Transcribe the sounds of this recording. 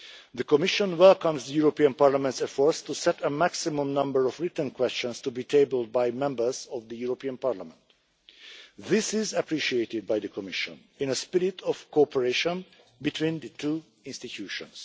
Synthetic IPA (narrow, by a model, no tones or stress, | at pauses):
ðəkɔmɪʃə̃nwɛlˠkʌ̃mzd̪əjuɹopiə̃npaɹlamɛ̃nt̪sɛfɔɹst̪usɛt̪əmæksimũmnʌ̃mbəɹɔvɹɪt̪ə̃nkwɛst͡ʃə̃nst̪ubiːtʰebəlˠd̚bajmɛ̃mbə˞zɔvd̪əjuɹopiə̃npaɹlamɛ̃nt̪ | ðɪsɪzəpʰɹiʃieɪtɪd̪̚bajd̪əkʰɔmɪʃə̰̃n | ɪ̃nəspɪɾɪtʰɔv̥koɔpʰəɹeʃɔ̃n | bit̪ʰwĩnd̪ətʰuː | ɪ̃nstit̪ʰjuːʃɔ̰̃ns